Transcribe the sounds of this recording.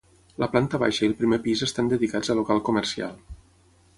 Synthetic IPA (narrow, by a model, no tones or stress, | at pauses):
ləplant̪əβa̰ʃəilˠpɾimepizəst̪and̪əðikazəlokalˠkumərsia̰lˠ